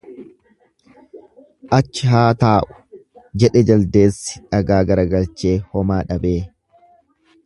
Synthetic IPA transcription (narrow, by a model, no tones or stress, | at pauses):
ʔɐt͡ʃːɪɦaːt̪aːʔʊ̥d͡ʒɛᶑɛd͡ʒɐld̪e̞ːsːɪ̥ᶑɐɡaːɡɐɾɐɡɐlt͡ʃe̞ːhɔmaːᶑɐbe̞ː